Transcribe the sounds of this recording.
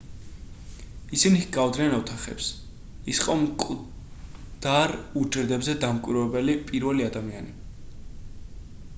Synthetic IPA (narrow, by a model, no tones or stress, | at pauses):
isiniɡavd̪ɾianɔt̪ʰaχɛ̰ps | isqʼɔmkʼ | d̪̥aɾud͡ʒɾd̪ɛbzɛd̪amkʼwiɾwɛbɛlipʼiɾvɛliad̪amiani